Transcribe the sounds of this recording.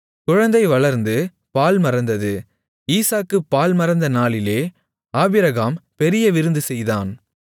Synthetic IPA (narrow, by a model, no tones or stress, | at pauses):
kʊɻɐnd̪ɐɪʋɐɭɐɾnd̪ɯ | paːlmɐɾɐnd̪ɐðɯ | iːsaːkːɯpːaːlmɐɾɐnd̪ɐnaːlɪleː | aːbɪɾɐɣaːmpɛɾɪjɐʋɪɾɯnd̪ɯsɛjðaːn